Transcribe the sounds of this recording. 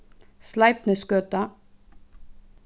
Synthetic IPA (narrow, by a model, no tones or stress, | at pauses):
slɑɪpnəskøːt̪ɑ